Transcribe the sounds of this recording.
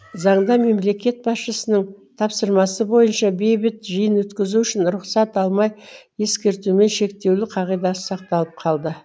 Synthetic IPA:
zɑɴd̪ɑme̞mle̞kʲe̞t̪̚bɑsʃəsənəɴ | t̪ʰɑpsəɾmɑsəbo̞jənʃɑbe̞jbɪt̪ʒəjənwɵt̪kʲɪzuɪʃɪnɾʊqsɑt̪ɑlˠmɑjje̞skʲe̞ɾt̪ume̞nʃe̞k̚t̪e̞wlɪqʰɑʁijd̪ɑsə̥sɑqt̪ɑlˠəp̚qʰɑlˠd̪ə

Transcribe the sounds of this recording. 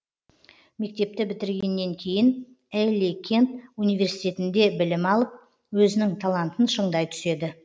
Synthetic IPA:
me̞k̚t̪e̞p̚t̪ɪbɪt̪ɪɾɡʲe̞nːe̞ŋkʲʰe̞jɪn | elʲikʲʰe̞nt̪unijvʲe̞ɾsijt̪e̞t̪ɪnd̪e̞bɪlɪmɑlˠəp̚ | wɵzɪnɪŋt̪ʰalˠant̪ənʃəɴd̪ɑjt̪ʰʏ̥se̞d̪ɪ

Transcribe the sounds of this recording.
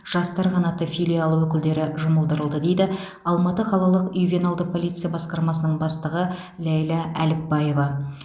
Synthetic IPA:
ʒ̥ɑst̪ɑɾqʰɑnɑt̪ːəfʲilʲijalˠuwɵkʲɪld̪e̞ɾɪʒʊməlˠd̪əɾəlˠd̪əd̪e̞jd̪ɪ | ɑlˠmɑt̪əqʰɑlˠɑlˠəqijvʲenalˠd̪əpʰo̞lˠijt̪sɨjabɑsqɑɾmɑsənəɴbɑst̪əʁə | lʲæjlˠɑʔælɪp̚bɑje̞vɑ

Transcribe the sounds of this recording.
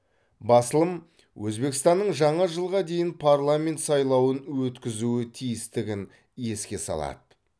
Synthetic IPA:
bɑsəlˠəm | wʔɵzbe̞kʲɪst̪ɑnːəɴʒɑɴɑʒəlˠʁɑd̪e̞jɪnpʰarlˠamʲe̞nt̪sɑjlˠɑwənwɵt̪kʲɪzuwɪt̪ʰijɪst̪ɪɡʲɪn | je̞skʲe̞sɑ̰lˠɑ̰d̪ə

